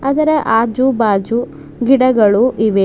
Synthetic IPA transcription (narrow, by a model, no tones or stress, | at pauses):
ɐd̪ɐɾeʔaːd͡ʒubaːd͡ʒu | ɡiɽɐɡɐɭuʔiʋe